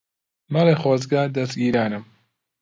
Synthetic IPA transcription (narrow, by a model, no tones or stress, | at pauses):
mɐlexwɑːzɡad̪ɐst̪ɡiːɾaːnɨm